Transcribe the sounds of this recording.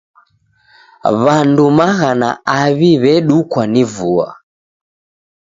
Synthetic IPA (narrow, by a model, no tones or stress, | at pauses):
βandumaɣana̰aβiβɛɗukwanivua̰